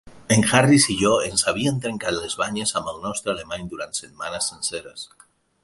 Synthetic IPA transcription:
eŋxarisiʝoensaβ̞ient̪ɾeŋkaɾlezβaɲesamalnɔst̪ɾealemaɲd̪uɾant̪set̪manasːenseɾas

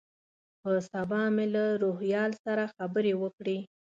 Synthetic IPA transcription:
pəsabɑmelaɾohjɑlsaɾaxabəɾewəkɽi

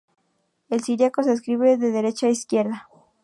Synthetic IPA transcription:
elsiɾjakoses̬kɾiβeðeðeɾe̞t͡ʃaiskje̞ɾða

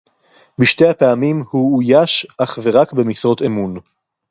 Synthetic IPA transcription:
biʃte̞japeamimhuːjaʃʔaχve̞ʁakbemisʁo̞t̪emun

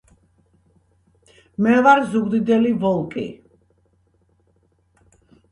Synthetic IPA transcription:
mɛvaɾzuɡd̪id̪ɛlivɔlˠkʼḭ

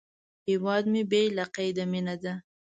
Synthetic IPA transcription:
hewɑd̪mebelaqajd̪aminad̪a

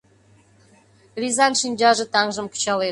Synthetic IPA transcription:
rʲizanʂinʲd͡ʑɑʐɘ̆t̪ɑŋʒɤ̆mku̥t͡ɕɑlˠe

